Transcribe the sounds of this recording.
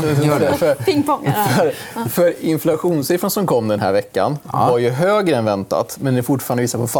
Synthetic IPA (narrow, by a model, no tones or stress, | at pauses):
fɾpɪŋfɔŋːfœɾ | fœɾɪnflaɧuːnsɪfɾansɔmkʰɔmːd̪ɛnɦæ̰ɾvɛkːa̰nvaɾjɵɦøːɡɾəɛnvɛnt̪a̰t̪mɛnd̪ɛfʊʈfɑɾand̪viːsaɾpʰɔfa